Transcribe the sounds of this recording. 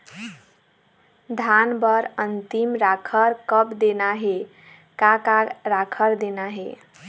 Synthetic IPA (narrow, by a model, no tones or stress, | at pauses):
d̪ʱanbəɾənt̪imɾakʰəɾkəpd̪enaɦe | kakaɾakʰəɾd̪enaɦe